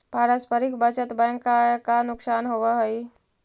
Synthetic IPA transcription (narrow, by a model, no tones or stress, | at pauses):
paɾəspʰəɾikbət͡ʃət̪bə̃ŋkːakanʊksaːnɦoʋəɦəj